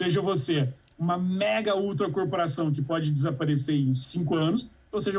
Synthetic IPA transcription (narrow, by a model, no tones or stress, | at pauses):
seʒɐvose | ũmɐmɛɡɐuwt̪ɾɐkoɾpoɾasɐ̃w̃k̬ɪpɔd͡ʒɪd͡ʒɪzapaɾeseɾẽsĩŋkʊɐ̃nʊs | oseʒɐ